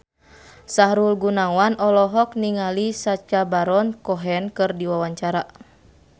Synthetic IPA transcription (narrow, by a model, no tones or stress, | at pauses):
saɦɾulɡunawanɔlɔɦɔk̚niŋalisat͡ʃabaɾɔnkɔɦɛnkɨrdiwawaɲt͡ʃaɾa